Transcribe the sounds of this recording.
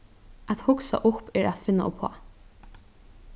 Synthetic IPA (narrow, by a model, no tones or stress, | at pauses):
ʔat̪hʊksa̰ʔʊpːɛɾat̪fɪnːa̰ʔʊpʰɔ̰ː